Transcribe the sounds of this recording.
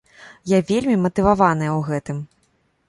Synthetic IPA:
javʲelʲmʲimɐt̪ɨvavanɨjɐwɣɛt̪ɨm

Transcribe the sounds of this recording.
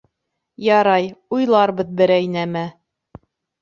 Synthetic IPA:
jɑɾɑjujlˠɑɾbɤðbɘ̆ɾæjnæmæ

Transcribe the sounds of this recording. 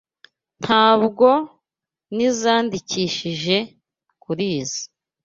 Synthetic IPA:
n̥hʰaːβɡo̞ | nizaːndiciːʃiʒe̞ | kuɾiːzi̥

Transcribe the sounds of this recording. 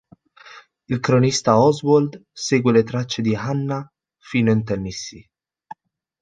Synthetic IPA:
ilkɾonist̪aɔzwɔld̪seɡwelet̪ɾat͡ʃːed̪iɦanːa | fiːnoint̪ɛnːisːi

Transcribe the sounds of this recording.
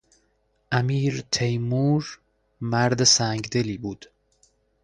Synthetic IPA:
ʔæmiːɾt̪ʰejmuːɾ | mæɾd̪esæŋɡd̪eliːbuːd̪̥

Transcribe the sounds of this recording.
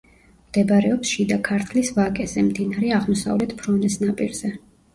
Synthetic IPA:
md̪̥ɛbaɾɛɔpsʃid̪akʰaɾt̪ʰlisvakʼɛzɛmd̪inaɾɛaʁmɔsa̰vlɛt̪ʰpʰɾɔnɛsnapʼiɾz̥ɛ

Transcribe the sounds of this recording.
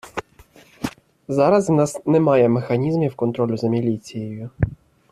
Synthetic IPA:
zɑɾɐznɑsnɛmɑjɛmexɐnʲizmʲiwkɔnt̪ɾɔlʲʊzɐmʲilʲit͡sʲijejʊ

